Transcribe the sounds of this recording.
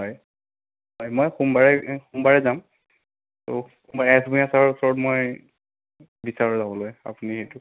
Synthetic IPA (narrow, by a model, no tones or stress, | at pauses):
ɦɔj | ɦɔjmojxumbaɹɛxumbaɹɛzam | to̰xumbaɹɛsbuiasaɹusɔɹɔtmoj | bisaɹɔzabɔloja̰punixejtʊ